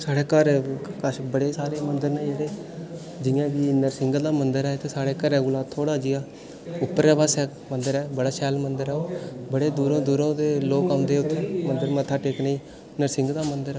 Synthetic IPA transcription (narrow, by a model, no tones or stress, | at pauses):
saːɽeːkəɾkəʃbəɽeːsaːɾeːmənd̪əɾneəɾeː | d͡ʒɪjãːɡiːnəɾsɪŋɡd̪aːmənd̪əɾɛːt̪eːsaːɽeːkəɾɛːɡuːlaːt̪ʰːoːɽaːd͡ʒɪjaː | ʊpːəɾɛːʋaːsɛː | mənd̪əɾɛːbəɽaːʃɛːlmənd̪əɾɛːoːbəɽeːd̪uːɾõːd̪uːɾõːd̪eːloːkaːʊ̃nd̪eːʊt̪ʰːɛːmənd̪əɾmət̪ʰːaːʈeːknəĩː | nəɾsɪ̃ŋɡd̪aːmənd̪əɾ